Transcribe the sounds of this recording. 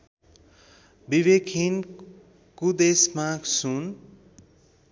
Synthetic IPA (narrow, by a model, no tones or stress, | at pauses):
biβekʰin | kud̪esmasun